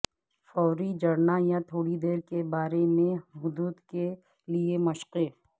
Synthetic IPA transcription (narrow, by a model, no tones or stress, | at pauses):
fɔːɾid͡ʒɐɽnajãt̪ʰoːɽid̪eːɾkebaːɾemẽɦʊd̪uːd̪ke | liemɐʃqe